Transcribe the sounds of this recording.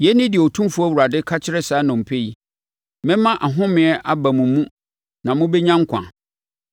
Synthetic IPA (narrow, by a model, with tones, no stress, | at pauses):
jɛ˨˦nɪ̃˦dɪ˨o˨tʰũ˦mfʊ˦a˦wu˨ɾa˨dɪ˦kʰa˦t͡ɕʰɪ˦ɾɛ˦saː˨˦nʊ̃˨m̩˨pʰe˦i˨ | mɪ̃˦mã˦ʔa˨ɦʊ̃˦mɪ̃˨˦ɛ˦ʔa˦bã˨mʊ̃˨mũ˦ | nã˨mʊ̃˦bɛ˦ɲã˦ŋ˦kʷʰã̰˨